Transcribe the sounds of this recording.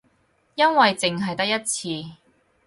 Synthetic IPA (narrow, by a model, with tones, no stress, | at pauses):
jɐ˥nwɐ˨jt͡sɪ˨ŋɦɐ˨jt̪ɐ˥k̚jɐ˥t̚t͡sʰiː˧